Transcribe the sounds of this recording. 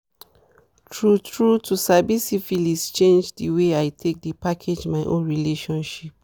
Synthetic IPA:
tʰɹutʰɹutʰusabisifilist͡ʃẽnd͡ʒdiweajtʰek̚dipakʰed͡ʒmaɪʔõ̰nɹileʃɔ̃nʃip̚

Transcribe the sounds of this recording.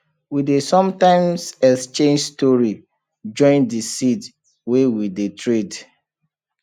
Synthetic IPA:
widesɔ̃mtãɪmsɛst͡ʃẽnd͡ʒstɔɹi | d͡ʒɔ̃ɪ̃ndisit | wewidetʰɹed

